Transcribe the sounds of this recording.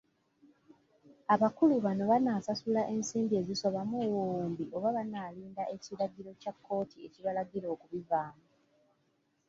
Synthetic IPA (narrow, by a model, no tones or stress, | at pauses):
aβakuluβano̞βanaːsasulaʔe̞nsiːmbie̞ziso̞βamuwuuːmbiʔo̞βaβanaːliːndaʔe̞ciɾaɡiɾo̞cakːo̞ːtʰie̞ciβalaɡiɾo̞ːkuβivaːmu